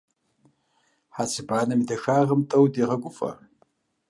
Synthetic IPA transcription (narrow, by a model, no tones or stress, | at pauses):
ħat͡sʰɨbaːnɐmidɐʂaːʁəmtʼɐwdiʁɐkʷʼʊfʼɐ̰